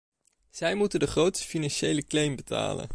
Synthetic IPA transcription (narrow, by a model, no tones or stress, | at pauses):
z̥ɛjmutəndəχrowtsə̥finanʃejləklejmbəta̰ːlə̰n